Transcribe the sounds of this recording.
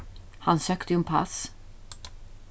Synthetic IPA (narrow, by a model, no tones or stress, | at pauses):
hansøːkt̪əjɛnpʰa̰s